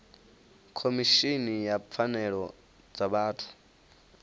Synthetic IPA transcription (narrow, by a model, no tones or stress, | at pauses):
kʰomiʃinijap̪fʰanɛɺɔ | d͡zaɓaːtʰu̥